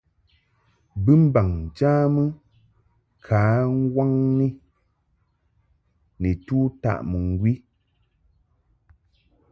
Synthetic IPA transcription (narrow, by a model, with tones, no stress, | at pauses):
bɨ˦m̩˦ba˨ŋn̩˨t͡ʃaː˦mɨ˦ | kʰaː˨˦ŋ̩˦ɡwa˦ŋni˦ | nɨ˨tuː˦ta̰˦˨ʔmɨ˨ŋ˨ɡwi˦